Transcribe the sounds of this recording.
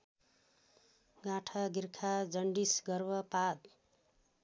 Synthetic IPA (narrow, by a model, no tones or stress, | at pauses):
ɡaʈʰʌɡirkʰad͡zʌɳɖisɡʌrbʌpad̪